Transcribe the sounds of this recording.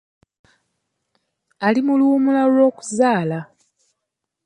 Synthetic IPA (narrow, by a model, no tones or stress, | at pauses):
alimuluːmulalwo̞ːku̥zaːla